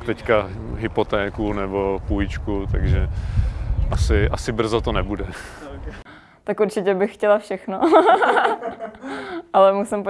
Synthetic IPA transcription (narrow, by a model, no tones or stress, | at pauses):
t̪ɛcka | ɦɪpot̪ɛːkunɛbopuɪt͡ʃkut̪aɡʒɛ | ʔasɪʔasɪbr̩zot̪onɛbudɛ | t̪akuɾt͡ʃɪcɛbɪxxcɛlafʃɛxno | ʔalɛmusɪmp